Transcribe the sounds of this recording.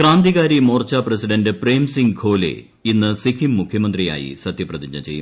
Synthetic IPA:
kraːnd̪iɣaːɾimoːrt͡ɕːaːprɐsiɖɐndɨpreːmsiŋɡɡʰʱo̞ːlḛ | inːɨsikʰimːukʰjɐmɐnd̪rija̰ːjḭsɐt̪jɐprɐðiɲd͡ʑɐt͡ɕe̞jːṵm

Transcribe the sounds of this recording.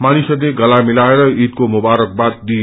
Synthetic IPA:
manisʌd̪eɡʌlamilaeɾʌit̪komubaɾʌk̚bat̪̚d̪i

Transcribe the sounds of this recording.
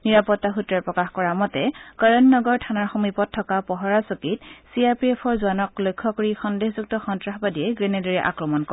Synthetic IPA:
niɹapɔtːaxutɹaɹpɹɔkaxkɔɹamɔtɛkaɹɔnnɔɡɔɹtʰanaɹxomipɔtʰːɔkapɔɦɔɹasokit̚siaɹpiɛpʰɔɹzuanɔk̚lojkʰːɔkoɹixɔndexzuk̚tɔxɔntɹaxbadiɛɡɹɛnɛdɔɹɛʔa̰kɹɔmɔnkɔ

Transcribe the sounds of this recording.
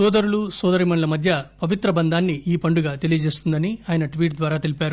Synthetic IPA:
sɔːd̪ɐɾulusɔːd̪ɐɾimɐnlɐmɐd̪ʱjɐpɐʋit̪ɾɐbɐnd̪ʱaːnːiʔiːpɐɳɖuɡaːt̪e̞lijɐd͡ʒe̞ːst̪und̪ɐniaːjɐnɐʈʋiːʈ̚d̪ʋaːɾaːt̪elipaːɾu

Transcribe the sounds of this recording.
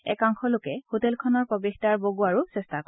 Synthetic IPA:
ɛ̰kaŋxʰɔlʊkɛhotɛlkʰɔnɔɹpɔbextaɹboɡuaɹusɛstak

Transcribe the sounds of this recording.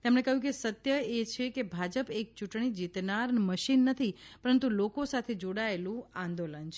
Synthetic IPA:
t̪emɳekəɦjũkesət̪jəet͡ʃʰekebʱad͡ʒəpek̚t͡ʃuʈɳ̃id͡ʒit̪naɾnməʃinːət̪ʰipəɾənt̪ulokosat̪ʰed͡ʒoɽaelũãnd̪olənt͡ʃʰ

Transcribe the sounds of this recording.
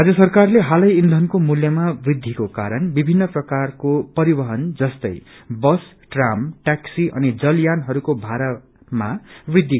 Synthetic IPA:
ɦad͡zʌsʌrkarleɦalʌjind̪ʱʌnkomuljʌmabrid̪ʱikokaɾʌnbibʱinːʌprʌkarkopʌɾibʌɦʌnd͡zʌst̪ʌj | bʌs | ʈramʈaksiʔʌ̰nid͡zʌljanɦʌɾukobʱaɾa | mabrid̪ʱːi

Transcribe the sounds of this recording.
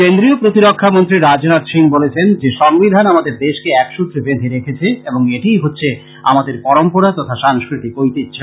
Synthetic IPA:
kend̪ɾiopɾot̪iɾokʰːamont̪ɾiɾad͡ʑonad̪ʃiŋbolet͡ɕʰend͡ʑeʃɔŋbid̪ʱanamad̪eɾd̪eʃkeɛkʃut̪ːɾebed̪ʱeɾekʰet͡ɕʰeeboŋeʈijɦotːɕʰe | a̰mad̪eɾpɔɾompoɾat̪ɔt̪ʰaʃaŋskɾit̪ikojt̪itːɕʰo

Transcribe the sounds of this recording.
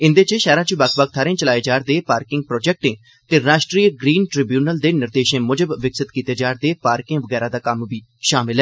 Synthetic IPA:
ɪnd̪eːt͡ʃeʃɛːɾãːt͡ʃbəkʰbək̚t̪ʰaːɾẽːt͡ʃəlaːeːd͡ʒaːɾd̪eːpaːɾkɪ̃ŋɡ̚pɾɔːd͡ʒɛk̚ʈẽː | t̪eːɾaːʃʈɾiːɡɾiːnʈɾɪbjuːnəld̪eːnɪɾd̪eːʃẽːmʊd͡ʒəbːɪksɪt̪kiːt̪eːd͡ʒaːɾd̪eːpaːɾkɪ̃ŋʋəɡɛːɾaːd̪aːkəmʋiː | ʃaːmɪlɦɛː

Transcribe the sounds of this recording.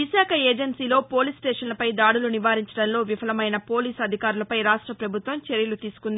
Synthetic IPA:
isaːkʰɐeːd͡ʒɐnsiːlo̞ːpo̞ːlisʈeːʂɐnlɐpɐjd̪aːɽuluniʋaːɾiɲt͡ʃɐɽɐnlo̞ːʋifʰɐlɐmɐjnɐpoːliːsɐd̪ʱikaːɾulɐpɐjɾaːʂʈɾɐpɾɐbʱut̪ʋɐmt͡ʃeɾjɐlut̪iːsu̥kund̪i

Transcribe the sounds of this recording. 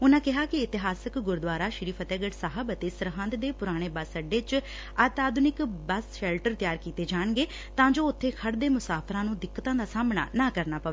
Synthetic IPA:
ʊnãːkɪɦaːkɪɪt̪ɪɦaːsəkɡʊɾd̪ʋaːɾaːʃɪɾiːpʰət̪ɛːɡəʈsaːɦəbət̪eːsəɾɦə̃nd̪d̪eːpʊɾaːɽ̃eːbaːsəɖeːt͡ʃ | aːt̪aːd̪nɪkbəsʃɛːlʈəɾt̪jaːɾkiːt̪eːd͡ʒaːɳɡeː | t̪ãːd͡ʒoːʊt̪ʰːeːkʰəɽd̪eːmʊsaːpʰɾãːnũːd̪ɪkːət̪ãːd̪aːsaːmɳa̰ːnãːkəɾnaːpəʋeː

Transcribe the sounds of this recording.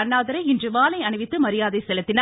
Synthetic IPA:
ɐnːaːðɐɾɐɪɪndrɯʋaːlɐɪɐɳɯʋɪt̪ːɯmɐɾɪjaːðɐɪsɛlɐt̪ːɪnː

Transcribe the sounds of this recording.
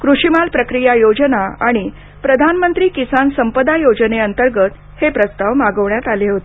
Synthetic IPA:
kɾuʂimalpɾəkɾijajod͡ʑənaaɽ̃i | pɾəd̪ʱanmənt̪ɾiːkisansəmpəd̪ajod͡zneənt̪əɾɡət̪ | hepɾəst̪aʋmaɡəʋɳjat̪aleɦot̪e

